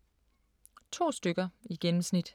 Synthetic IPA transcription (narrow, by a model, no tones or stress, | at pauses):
t͡sʰo̝̰ːsd̥øɡ̥ɐiɡ̥enm̩snid̥